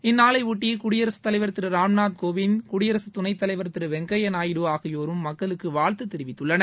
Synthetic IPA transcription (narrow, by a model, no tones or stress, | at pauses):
ɪnːaːlɐɪʊʈːikʊɽɪjɐɾɐsɯ̥t̪ːɐlɐɪʋɐɾt̪ːɪɾɯɾaːmnaːd̪̚koːʋɪnkʊɽɪjɐɾɐsɯt̪ʊnɐɪt̪ːɐlɐɪʋɐɾt̪ːɪɾɯʋɛŋɡɐjɐnaːjɪɽɯaːɣɐjoːɾɯmːɐkːɐɭɯkːɯʋaːɻt̪ɯt̪ːɛɾɪʋɪt̪ːɯɭːɐnɐɾ